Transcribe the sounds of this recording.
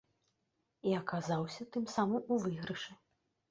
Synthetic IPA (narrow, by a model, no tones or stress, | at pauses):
iɐkazawsʲɐt̪ɨmsamɐmuvɨɣɾɨʂɛ